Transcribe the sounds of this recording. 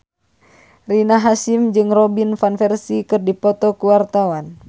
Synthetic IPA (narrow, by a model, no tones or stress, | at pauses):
rinaɦasimd͡ʒɨŋrɔbinfanfɛrsikɨrdipɔt̪ɔkuwart̪awan